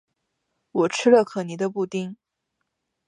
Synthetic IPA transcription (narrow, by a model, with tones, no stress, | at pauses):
wɔ˨˩ʈ͡ʂʰɻ̩˥lə˧kʰɤ˨˩ni˨˩d̪ə˧pu˥˩t̪i˥ŋ